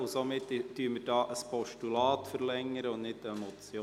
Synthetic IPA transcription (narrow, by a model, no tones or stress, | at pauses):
ʊsomɪt̪ːyːəmːədɑːʔəspɔʃtulɑːt̪fəɾlɛŋːəɾəʊnnɪtəɛmɔt͡sjo